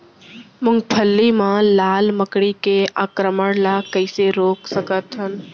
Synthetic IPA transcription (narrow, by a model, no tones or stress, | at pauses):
mʊ̃ŋɡpʰəlːimãlaːlməkɽikeaːkɾəməɽlakəɪseɾoːksəkət̪ɦʊn